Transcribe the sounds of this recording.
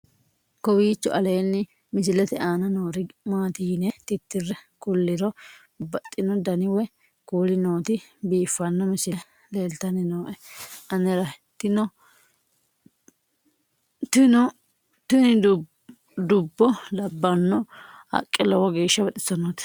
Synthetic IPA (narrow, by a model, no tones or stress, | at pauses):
kɔwiːt͡ʃːɔ̰ʔɐle̞ːnːɪ | mɪs̬ɪlɛt̪ɛaːnɐnoːɾɪmaːt̪ɪjɪnɛt̪ɪt̪ːɪrːɛkʊlːɪɾɔ | bɐt̪ʼːɪnɔd̪ɐnɪwɛ | kuːlɪnoːt̪ɪbiːfːɐnːɔmɪsɪ | leːlt̪ɐnɪnoːʔɛɐnɛɾɐ | t̪ːɪnɔ | t̪nɔ | t̪ʊnɪ | d̪ʊbːɔlɐbːɐnːɔɐ̰kʼːɪlɔwɐɡeːʃːɐbɐt̪ʼɪsɐnoːt̪